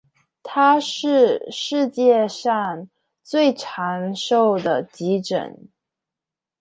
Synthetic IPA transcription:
t̪ʰa˥ʂɻ̩˥˧ʂɻ̩˥˧t͡ɕjɛ˥˧ʂɑ˥˧ŋ | t͡swe˥˩ɪʈ͡ʂʰa˧˥ŋʂo˥˩ʊd̪ə˩t͡ɕi˧˥ʈ͡ʂə̰˨˩˦n

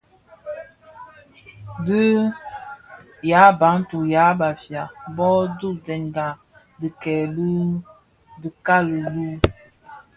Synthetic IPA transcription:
də˦ | ja˨˦ba˨˦n˦tu˨ja˨˦ba˨fja˨bɔ˦du˦˨d͡zɛ˨nɡa˨ | di˨kɛ˨lu˦ | də˨ka˦˨lə˨lu˦

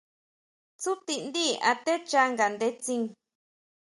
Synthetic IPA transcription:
t͡su˦t̪i˧nd̪i˦a̰˧t̪e˦t͡ʃa˧ŋɡa˨nd̪e˧t͡sĩ˧ŋ

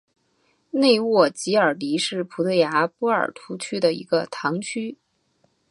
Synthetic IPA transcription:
ne˥˧ɪwɔ˥˩t͡ɕi˧˥ə˞˨˩li˧˥ʂɻ̩˥˩pʰu˧˥t̪ʰə˧˥ja˧˥pɔ˥ə̰˞˨˩t̪ʰu˧˥t͡ɕʰy˥d̪ə˨ḭ˧˥ɡə˧t̪ʰɑ˧˥ŋt͡ɕʰy˥

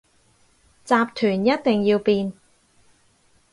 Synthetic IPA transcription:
t͡saː˧p̚t̪ʰyː˨˩njɐ˥t̚t̪ɪ˨ŋjiː˧wpiː˧n

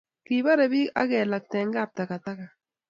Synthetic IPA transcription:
ki˨ba˦ɾɛ˨bi˦a̰˦kɛ˨la˨k̚tɛ˨ŋɡa˦˨p̚ta˨ka˨ta˦ka˨

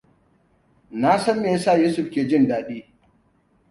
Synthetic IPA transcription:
na˦sɐ˦mːeː˨˦saː˦˨juː˦sʊ˦˨ɸkʲeː˨d͡ʒɪ˦ndaː˦ɗiː˦

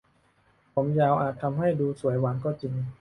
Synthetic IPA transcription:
pʰo˩˦mjaː˧wʔaː˨˩t̪ʰːa˧mɦa˥˩jduː˧su˨˩˦jwa˩˦nkɔː˥˩t͡ɕi˧ŋ

